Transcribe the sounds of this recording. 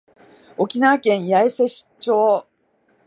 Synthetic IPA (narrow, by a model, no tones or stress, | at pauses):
o̞kʲinaːkẽ̞ɰ̃jaese̞ɕi̥t͡ɕoː